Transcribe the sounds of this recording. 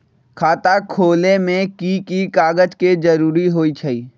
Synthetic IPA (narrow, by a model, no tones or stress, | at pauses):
kʰaːt̪akʰoːlemẽkikikaːɡəd͡ʒked͡ʒəɾuːɾiɦoːit͡ʃʰəiː